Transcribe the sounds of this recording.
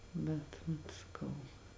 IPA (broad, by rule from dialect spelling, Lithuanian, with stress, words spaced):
ˈbʲɛt ʋɐt sɐˈkɐʊ